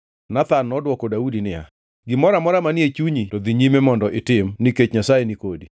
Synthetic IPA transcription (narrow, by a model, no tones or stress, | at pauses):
nat̪anːɔdwɔkɔdaudinɪja̰ | ɡɪmɔɾamɔɾamanjet͡ʃuɲitod̪iɲimemɔndɔʔɪtɪmniket͡ʃɲasajenikodi